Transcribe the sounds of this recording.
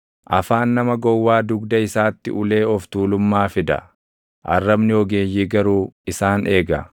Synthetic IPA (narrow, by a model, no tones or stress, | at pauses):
ʔɐfaːnːɐmɐɡɔwːaːd̪ʊɡd̪ɐɪsaːt̪ːɪ̰ʔʊle̞ːɔft̪uːlʊmːaːfɪd̪ɐ̰ | ʔɐrːɐbnɪɔɡe̞ːjːiːɡɐɾuːɪsaːnʔe̞ːɡɐ